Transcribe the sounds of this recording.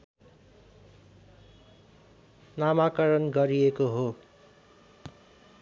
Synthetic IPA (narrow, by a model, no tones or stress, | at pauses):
namakʌɾʌnɡʌɾijekoɦo